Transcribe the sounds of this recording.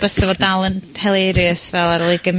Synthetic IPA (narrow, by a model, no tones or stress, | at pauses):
b̥əsɔvɔdalˠənʰɛlˠejɾjɨəsvɛlˠaɾɔlˠiɡəm